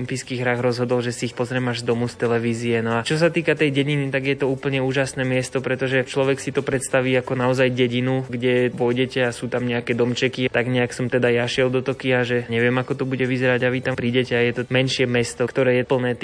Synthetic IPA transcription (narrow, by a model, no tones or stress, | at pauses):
impiːskiːɦɾaɣɾɔzɦɔd̪ɔlʒɛsiixpɔzɾɛmaʒzd̪ɔmust̪ɛlɛʋiːziɛnɔat͡ʃɔs̬at̪iːkat̪ɛjɟɛɟinit̪aɡjɛt̪ɔuːpl̩ɲɛuːʒasnɛːmɪɛst̪ɔpɾɛt̪ɔʒɛt͡ʃlɔʋɛksit̪ɔpɾɛt̪st̪aʋiːakɔnaɔzajɟɛɟinuɡɟɛpɔjɟɛcɛasuːt̪amɲɛakɛːd̪ɔmt͡ʃɛkit̪aɡɲɛaksɔmt̪ɛd̪ajaʃɪɛld̪ɔt̪ɔkiaʒɛɲɛʋɪɛmakɔt̪ɔbuɟɛʋizɛɾaɟaʋit̪ampɾiːɟɛcɛajɛt̪ɔmɛnʃɪɛmɛst̪ɔkt̪ɔɾɛːjɛpl̩nɛːt̪